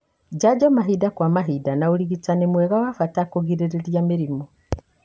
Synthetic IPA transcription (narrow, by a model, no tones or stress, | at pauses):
d͡ʒad͡ʒɔmaɦidakwamaɦidanauɾiɣit͡sanemwɛɣawafatakoɣiɾeɾeɾjameɾimo